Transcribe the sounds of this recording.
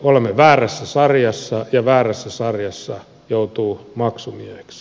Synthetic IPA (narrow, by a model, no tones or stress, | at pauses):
olemːeʋæːræsːæsɑrjɑsːɑjɑʋæːræsːæsɑrjɑsːɑ | jout̪uːmɑksumiehe̥ks